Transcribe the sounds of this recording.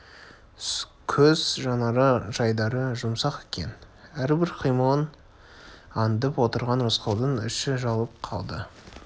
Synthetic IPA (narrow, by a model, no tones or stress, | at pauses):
kʲʰɵz̥ʒɑnɑɾəʒɑjd̪ɑɾəʒʊmsɑqekʲʰe̞̰næɾbɪɾqʰijmon | ɑnd̪əpwo̞t̪əɾʁɑnɾʊsqɑwd̪əɴʏ̰ʃɪʒɑlˠəp̚qʰɑ̰lˠd̪ə